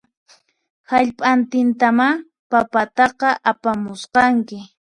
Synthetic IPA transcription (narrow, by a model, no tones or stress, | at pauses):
haʎpʼant̪ɪnt̪ama | papat̪ɑqɑʔapamʊsqɑŋkɪ